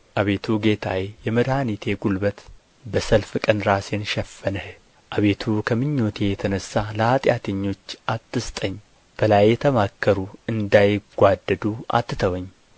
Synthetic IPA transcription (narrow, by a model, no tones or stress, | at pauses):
ʔaβe̞t̪ʰuɡe̞t̪ʰawejɛməd̪hanit̪ʰe̞ɡulbət̪ | bəsəlfɨkʼənɾasenʃɛfːənəh | ʔaβe̞t̪ʰukʰəmɨɲːot̪ʰejɛt̪ʰənəsːaləhat̪ʼjat̪ʰəɲːo̞t͡ʃːʔat̪ːɨst̪ʼəɲː | b̥əlajːɛt̪ʰəmakːəɾuɨnd̪ajɡ̥ʷad̪ːəd̪uʔa̰t̪ːɨt̪ʰəwəɲː